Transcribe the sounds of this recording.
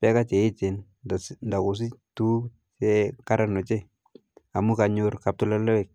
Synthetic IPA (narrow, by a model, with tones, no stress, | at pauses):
pɛ˦ka˦t͡ʃe˨ɪ˦t͡ʃe˨n | dnda˨ku˨s̬i˦tu˦ | t͡ʃɛ˦ka˦ɾa˦nɔ˨t͡ʃe˦ | a˨mu˦ka˨ɲʊɾka˨p̚tʊ˨la˦lɔ˦ɛ˨k̚